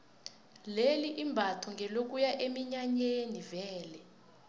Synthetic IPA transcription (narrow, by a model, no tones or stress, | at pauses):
leliʔimbʱatʰɔŋɛlok̬ujaʔemiɲaɲenivɛːlɛ